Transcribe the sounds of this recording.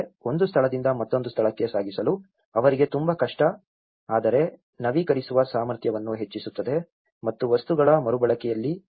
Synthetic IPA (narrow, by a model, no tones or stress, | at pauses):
o̞nd̪ust̪ʰɐɭɐd̪ind̪ɐmɐt̪ːo̞nd̪ust̪ʰɐɭɐkːje̞saːɡisɐlu | ɐʋɐɾiɡe̞t̪umbɐkɐʂʈɐ | aːd̪ɐɾe̞ | nɐʋikɐɾisuʋɐsaːmɐɾt̪ʰjɐʋɐnːuɦe̞t͡ʃːisut̪ːɐd̪e̞ | mɐt̪ːuʋɐst̪uɡɐɭɐmɐɾubɐɭɐkɛjɐlːi